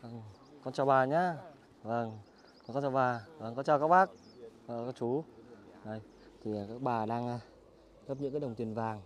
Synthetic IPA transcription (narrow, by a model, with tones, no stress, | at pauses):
və˨˧˩ŋ | kɔ˧nt͡ɕɔ˨˩ɓaː˨˩ɲaː˧˦ | və˧˩ŋ | ɔ˧˦kɔ˧nt͡ɕɔ˧˩ɓaː˨˩və˨˧˩ŋkɔ˨˦t͡ɕɔ˧˩wkaː˦˥k̚ɓaː˦˥k̚ | a˧˩kaː˧˥k̚t͡ɕu˨˦zo˧˩j | t̪ʰi˨˩˨kaː˦˥k̚ɓaː˨˩ɗaː˧ŋa˧ | ɣə˦˥p̚ɲɨ̰˧˥kaː˦˥ɗŋ͡mt̪i˨˩ənvaː˨˩ŋ